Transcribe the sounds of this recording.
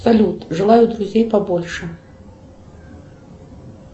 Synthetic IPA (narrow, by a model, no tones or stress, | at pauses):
salʲut̪ʐɨlˠajud̪ɾuzʲejpabɔlʲʂɛ